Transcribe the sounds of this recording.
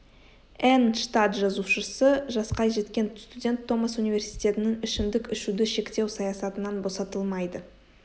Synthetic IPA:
ænʃt̪at̪ʒɑzuʃəsəʒɑsqɑjʒe̞t̪kʲe̞nst̪udʲe̞nt̪ʰːo̞masunivʲe̞ɾsi̥jt̪ʲe̞t̪ɪnɪŋɪʃɪmd̪ɪkɪʃud̪ɪʃe̞kt̪e̞wsɑjɑsɑt̪ənɑnbo̞sɑt̪əlˠmɑjd̪ə

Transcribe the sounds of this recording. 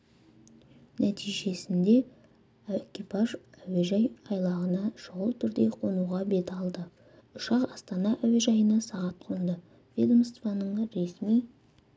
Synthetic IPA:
næt̪ʰijʒe̞sɪnd̪e̞ | kʲipɑʒæweʒɑjɑjlˠɑʁənɑʃoʁəlˠt̪ʰʏɾd̪e̞qʰo̞nuʁɑbe̞t̪ɑlˠd̪ə | ʊʃɑqɑst̪ɑnɑʔæwe̞ʒɑjənɑsɑʁɑt̪̚qʰond̪ə | vʲed̪omst̪vɑnəɴɾe̞smij

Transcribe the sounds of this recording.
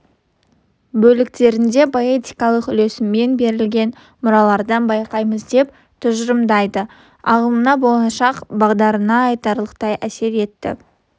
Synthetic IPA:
bɵlɪkt̪e̞ɾɪnd̪e̞pʰoe̞t̪ijkɑlˠəqʏle̞sɪmːe̞nbe̞ɾɪlɡʲe̞n | mʊɾɑlˠɑɾd̪ɑnbɑjqɑjməzd̪e̞p | t̪ʰʊʒɾəmd̪ɑjd̪ə | ɑʁəmˠənɑbo̞lˠɑʃɑqbɑʁd̪ɑɾənɑːjt̪ɑɾlˠəqt̪ɑjʔæse̞ɾe̞t̪ːɪ̰

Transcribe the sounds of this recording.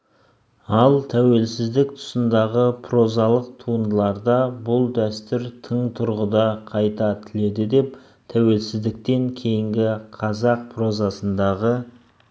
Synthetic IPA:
ɑlˠt̪ʰæwe̞lsɪzd̪ɪk̚t̪ʰʊ̥sənd̪ɑʁəpʰro̞zɑlˠəq̚t̪ʰuənd̪əlˠɑɾd̪ɑbʊlˠd̪æst̪ɪɾt̪ʰəɴt̪ʰʊɾʁəd̪ɑqʰɑjt̪ɑt̪ʰɪle̞d̪ɪd̪e̞p | t̪ʰæwe̞lsɪzd̪ɪk̚t̪e̞ŋkʲʰe̞jɪŋɡʲɪqʰɑzɑq̚pʰro̞zɑsənd̪ɑʁə

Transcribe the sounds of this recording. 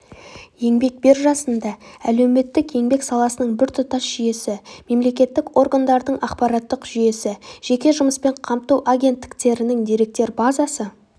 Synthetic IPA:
je̞ŋbe̞k̚be̞ɾʒɑsənd̪ɑæ̰lewme̞t̪ːɪkje̞ŋbe̞ksɑlˠɑsənəɴbɪɾt̪ʰʊt̪ɑsʒ̥ije̞sɪme̞mle̞kʲe̞t̪ːɪko̞ɾɡand̪ɑɾd̪əɴɑqpɑɾɑt̪ːəqʒ̥ʏje̞sɪʒ̥e̞kʲe̞ʒʊməspe̞ɴqʰɑmt̪ɑwʔaɡʲe̞nt̪ːɪ̥kt̪e̞ɾɪnɪŋd̪e̞ɾe̞k̚t̪e̞ɾbɑzɑsə

